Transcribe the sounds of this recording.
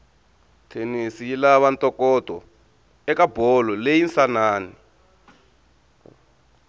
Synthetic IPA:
tʰenisijilaβantʼɔkʼɔtɔ | ɛkabʱɔlɔlejinsanaːni

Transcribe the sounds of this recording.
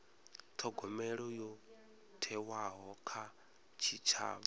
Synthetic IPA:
t̪ʰɔɡɔmɛɺɔjɔ | tʰɛwaɦɔkʰa | t͡ʃʰit͡ʃʰa̰ːβɔ

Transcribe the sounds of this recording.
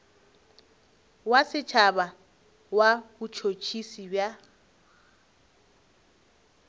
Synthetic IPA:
wasɪt͡ʃʰaba | wabʊt͡ʃʰot͡ʃʰisibja

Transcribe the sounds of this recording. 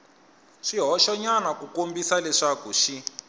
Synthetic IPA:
ʂiɦɔʃɔɲanakukombisalɛʂakuʃi

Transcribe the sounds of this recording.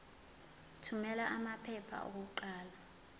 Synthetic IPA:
tʰumɛlaʔamapʰɛpʰa̰ʔuk̬uǃaːla

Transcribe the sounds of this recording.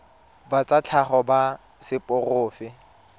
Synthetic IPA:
bat͡sʼat͡ɬʰaχɔba | sɪpʼʊrʊːfɪ

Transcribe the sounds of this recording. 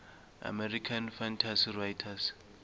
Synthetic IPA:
a̰mɛrikʰanfantʰasirajtʰas

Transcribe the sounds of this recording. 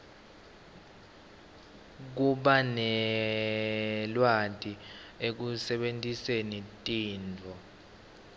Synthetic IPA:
k̬uɓanɛ | lwadʱʼiek̬usɛɓentʼisenitʼiːntʰɔ

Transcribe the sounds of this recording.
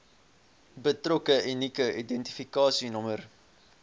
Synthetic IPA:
bətrɔkəʔinikəʔidɛnti̥fikɑːsinɔmər

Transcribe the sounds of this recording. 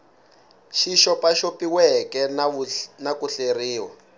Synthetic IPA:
ʃiʃɔpaʃopiwɛkɛ | nakuɬeriːwa̰

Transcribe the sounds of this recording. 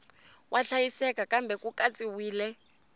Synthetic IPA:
wʔaɬajisɛkakʼambʱɛkʼukʼat͡sʼiwiːlɛ

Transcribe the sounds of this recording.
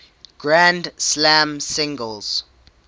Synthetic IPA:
ɡ̥ɹãndslãmsɪ̃ŋɡəlz̥

